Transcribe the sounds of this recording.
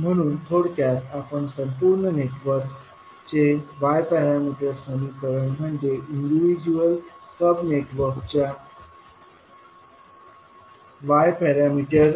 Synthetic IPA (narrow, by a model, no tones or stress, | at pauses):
m̤əɽ̃uːnt̪ʰoɽk̪jat̪apəɳsəmpuːɾɳəneʈʋəɾk | t͡ɕeʋajpɛɾamiʈəɾsəmikəɾəɳm̤əɳd͡ʑeʔiɳɖiʋid͡ʑuəlsəbneʈʋəɾkt͡ɕa | ʋajpɛɾamiʈəɾ